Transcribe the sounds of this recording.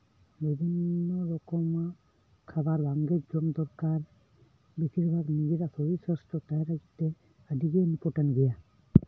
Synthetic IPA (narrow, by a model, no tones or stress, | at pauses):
bibʱinːɔɾɔkɔma | kʰabaɾbaŋɡed͡ʒɔmd̪ɔɾkaɾ | bisiɾbʱaɡnid͡ʒiɾasɔisəsʈɔt̪ajɾaɡit̪e | əd̪iɡenikɔʈənɡɛja